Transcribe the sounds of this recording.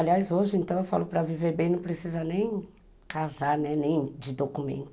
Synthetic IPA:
aliajzoʒɪẽnt̪ɐ̃w̃ewfa̰lʊpɾɐviveɾbẽj̃nɐ̃w̃pɾesizɐnẽj̃ | kazaɾnɛnẽj̃d͡ʒɪd̪okumḛ̃nt̪ʊ

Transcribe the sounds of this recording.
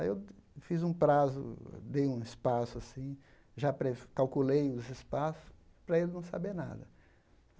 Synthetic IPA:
aiewfizũpɾazʊ̰d̪ejũɪspasʊasĩ | ʒapɾekawkulejʊzɪspasʊ̥s | pɾɐelɪnɐ̃w̃sabeɾna̰d̪ɐ

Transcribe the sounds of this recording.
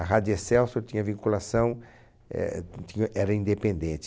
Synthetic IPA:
ɐɦad̪esɛwsoɾt̪ĩɲɐvĩkulasɐ̃w̃ | ɛ̰t̪ĩɲɐʔɛɾɐĩnd̪epẽnd̪ẽnt͡ʃ̪ɪ

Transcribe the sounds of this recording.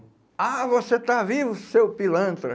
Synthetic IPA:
avoset̪avivʊsewpilɐ̃nt̪ɾɐ

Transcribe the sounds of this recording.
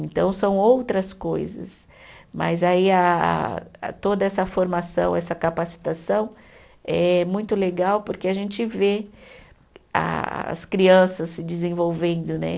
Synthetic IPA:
ẽnt̪ɐ̃w̃sɐ̃w̃owt̪ɾɐskojzɐ̰s | mɐ̰zaiɐ̰ | t̪od̪ɐɛsɐfoɾmasɐ̃w̃ɛsɐkapasi̥t̪asɐ̃w̃ | ɛmũj̃t̪ʊleɡawpoɾkeaʒẽnt͡ʃɪve | a̰ɐ̰skɾiɐ̃sɐsːɪd͡ʒɪzẽvowvẽnd̪ʊnɛ̰

